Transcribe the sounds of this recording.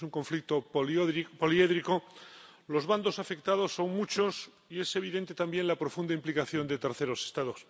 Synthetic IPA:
suŋko̞ɱflik̚t̪oðpolieðɾiko̞lo̞zβand̪o̞safe̞k̚t̪að̞o̞sːo̞ŋmut͡ʃo̞s | ie̞se̞β̞iðe̞nt̪e̞t̪ambje̞nlapɾo̞fund̪aimplikaθjo̞nd̪e̞t̪eɾθe̞ɾo̞se̞̥st̪aðo̞s

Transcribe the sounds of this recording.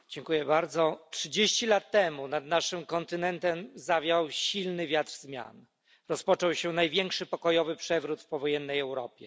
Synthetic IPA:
d͡ʑɛŋkujɛbaɾd̪zɔtʂɘd͡ʑeɕt͡ɕilat̪ːɛmunad̪naʂɘmkɔnt̪ɘnɛnt̪ɛmzavʲjawɕilnɘvʲjat̪ɾzmʲja̰n | ɾɔspɔt͡ʂɔwɕɛnajvʲjɛŋkʂɘpɔkɔjɔvɘpʂɛvɾut̪fpɔvɔjɛnːɛjɛwɾɔ̰pʲjɛ

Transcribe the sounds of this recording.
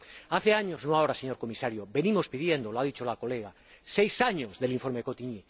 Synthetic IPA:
aθeaɲoznoaoɾaseɲo̞ɾko̞misaɾjobe̞nĩmo̞spið̞je̞nd̪oloaðit͡ʃolako̞leɣa | sejsaɲozðe̞liɱfo̞ɾmekot̪iɲi

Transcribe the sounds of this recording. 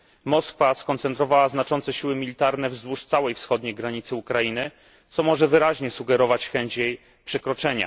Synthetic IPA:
mɔskfaskɔnt̪sɛnt̪ɾɔvawaznat͡ʂɔnt̪sɛɕiwɘmʲilʲit̪aɾnɛvzd̪wuʂt̪sawɛjfsxɔd̪ɲejɡɾaɲit̪sɘukɾajinɘ | t̪sɔmɔʐɛvɘɾaʑɲɛsuɡɛɾɔvat͡ɕxɛɲt͡ɕjej | pʂɛkɾɔt͡ʂɛɲa̰

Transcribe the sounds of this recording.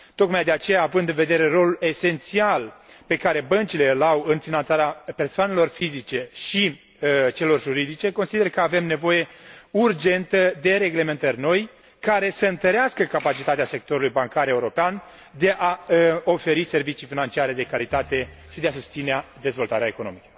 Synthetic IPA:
t̪o̞kmajd̪e̞at͡ʃe̞jaːvɨnd̪ɨnve̞d̪e̞ɾe̞ɾo̞lule̞se̞nt̪sialpe̞kaɾe̞bənt͡ʃile̞lawɨnfinant̪saɾeape̞rsoane̞lo̞rfizit͡ʃe̞ʃi | ət͡ʃe̞lo̞rʒuɾid̪it͡ʃe̞ko̞nsid̪e̞rkəave̞mne̞vo̞je̞urd͡ʒe̞nt̪əd̪e̞ɾe̞ɡle̞me̞nt̪ərʲno̞j | kaɾe̞səɨnt̪əɾeaskəkapat͡ʃit̪at̪ease̞k̚t̪o̞ɾulujbaŋkaɾeuɾo̞pean | d̪e̞ʔaəo̞fe̞ɾise̞rvit͡ʃijfinant͡ʃiaɾe̞d̪e̞kaɾit̪at̪e̞ | ʃid̪e̞asust̪sinead̪e̞zvo̞lt̪aɾeaeko̞no̞̰mikə̥

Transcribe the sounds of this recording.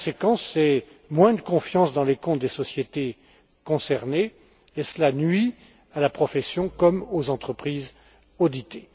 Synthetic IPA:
sekɑ̃sɛ | mwɛ̃d̪əkɔ̃fjɑ̃sd̪ɑ̃lekɔ̃t̪̚d̪esɔsjet̪e | kɔ̃sɛʁne | esəlanɥi | alapχɔfɛsjɔ̃kɔmozɑ̃t̪χəpχiz | od̪it̪e

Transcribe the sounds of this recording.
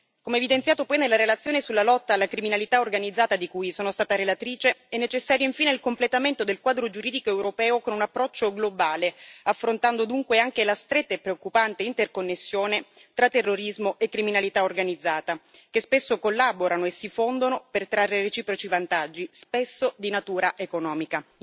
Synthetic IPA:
komeːvid̪ensjaːt̪opɔjnelːaɾelat̪sjoːnesulːalɔt̪ːaːlːakɾiminalit̪aorɡanid̪zːaːt̪ad̪ikujsoːnost̪aːt̪aɾelat̪ɾiːt͡ʃeɛnːet͡ʃesːaːɾjoiɱfiːneilkomplet̪ament̪od̪elkwaːd̪ɾod͡ʒuɾiːd̪ikoɛwɾopɛːokonunapːɾɔt͡ʃːoɡlobaːleafːɾont̪and̪od̪uŋkweaŋk̟elast̪ɾet̪ːaepːɾeokːupant̪eint̪erkonːesːjoːnet̪ɾat̪ːerːoɾizmoʔekːɾiminalit̪aorɡanid̪zːaːt̪ak̟espesːokolːaboɾanoesifond̪onopert̪ɾarːeret͡ʃiːpɾot͡ʃivant̪ad͡ʒːispesːod̪inat̪uːɾaʔekonɔːmika

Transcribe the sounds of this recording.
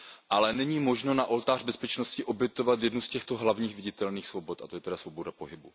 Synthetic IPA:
ʔalɛnɛɲiːmo̞ʒno̞naʔo̞lt̪aːr̥bɛspɛt͡ʃnoscɪʔo̞bjɛt̪o̞vat̪jɛdnuscɛxt̪o̞ɦlavɲiːxvɪɟɪt̪ɛlniːxsvo̞bot̪ʔat̪ojɛt̪ɛdasvo̞bo̞dapo̞ɦɪbṵ

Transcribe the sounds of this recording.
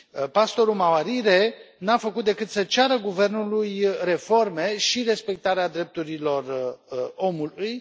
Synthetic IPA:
past̪o̞ɾumawaɾiɾenafəkut̪̚d̪e̞kɨt̪sət͡ʃaɾəɡuve̞rnulujre̞fo̞rme̞ʃiɾe̞spe̞k̚t̪aɾead̪ɾe̞p̚t̪uɾilo̞r | o̞muluj

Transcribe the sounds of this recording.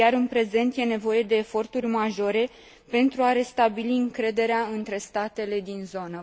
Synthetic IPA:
jaɾɨnpɾe̞ze̞nt̪je̞ne̞vo̞je̞d̪e̞ːfo̞rt̪urʲmaʒo̞ɾe̞ | pe̞nt̪ɾuaɾe̞st̪abiliɨŋkɾe̞d̪e̞ɾeaɨnt̪ɾe̞st̪at̪e̞le̞d̪inzo̞nə

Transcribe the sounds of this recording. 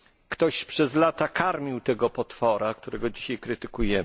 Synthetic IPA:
kt̪ɔɕpʂɛzlat̪akʰaɾmʲiwt̪ɛɡɔpɔt̪fɔɾakt̪uɾɛɡɔd͡ʑiɕajkɾɘt̪ɘkujɛ

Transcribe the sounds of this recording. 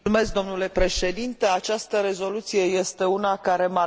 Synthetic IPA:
ume̞sk̚d̪o̞mnule̞pɾe̞ʃe̞d̪int̪e̞at͡ʃast̪əɾe̞zo̞lut̪sije̞je̞st̪e̞unakaɾe̞ma

